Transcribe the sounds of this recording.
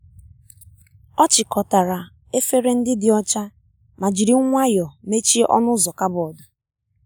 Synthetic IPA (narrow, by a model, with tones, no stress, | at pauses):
ɔ˦t͡ʃɪ˨kɔ˨ta˨ɾa˨ | e˦fe˦ɾe˦n̩˦dɪ˦dɪ˨ɔ˦t͡ʃa˦ | ma˨d͡ʒi˨ɾi˨˦ŋʷ˦a˦jɔ˨me˦t͡ʃi˦ʔɔ̰˦nʊ˦zɔ˨ka˦bʊ˨ɔ˨dʊ˨